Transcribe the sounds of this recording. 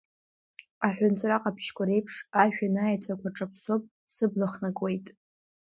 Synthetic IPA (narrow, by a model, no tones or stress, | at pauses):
aħʷᶣʊnt͡sʼraqʼapʰʃkʷʰʼaɾe̞jpʰʂaʒᶣanajat͡sʷʼakʷʰaʈ͡ʂʼapʰsopʼ | sɨblaχnakʼwe̞jtʼ